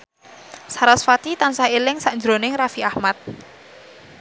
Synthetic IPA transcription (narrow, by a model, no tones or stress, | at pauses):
saɾasfat̪it̪ansaelɪŋsaʔnd͡ʒɾonɪŋrafiahmat̪̚